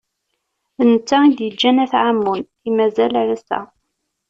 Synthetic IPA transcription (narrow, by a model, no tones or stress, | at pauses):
ənət͡sːæid̪jəd͡ʒːænæθʕamːun | imæzælæɾæsæ̰